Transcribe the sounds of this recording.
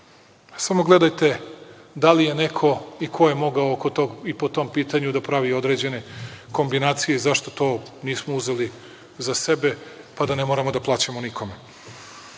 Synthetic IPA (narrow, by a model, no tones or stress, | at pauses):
samo̞ɡle̞d̪ajt̪e̞d̪alije̞nekʰo̞ikʰo̞jemo̞ɡaookot̪oɡipot̪o̞mpiːt̪aɲud̪apɾaʋio̞d̪ɾed͡ʑe̞ne̞ko̞mbinaːt̪sije̞zaʃt̪o̥t̪o̞ː | niːsmouze̞li | zasebe̞ | pad̪anemoːɾamod̪aplˠaːt͡ɕamonikʰo̞me